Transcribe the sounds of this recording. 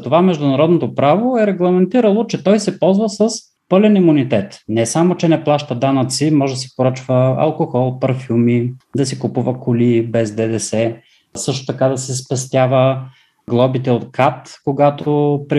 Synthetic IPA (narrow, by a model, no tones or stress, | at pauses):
t̪ovamɛʒd̪ʊnɐɾɔd̪not̪opɾavoɛɾɛɡlˠɐmɛnt̪iɾəlˠot͡ʃɛt̪ɔjsɛpɔlˠzvəsɐs | pɤlɛnimunit̪ɛt̪nɛsamot͡ʃɛnɛplˠaʃt̪əd̪anət̪simɔʒɛd̪ɐsɛ̥poɾɤt͡ʃvəɐ̰lˠkoxɔlˠpɐɾfumid̪ɐsɛkʊpuvəkʊlibɛzd̪ɛd̪ɛsɛ | sɤʃt̪o̥t̪ɐkad̪ɐsɛspɛst̪ʲjavə | ɡlˠɔbit̪ɛot̪̚kat̪koɡat̪opɾi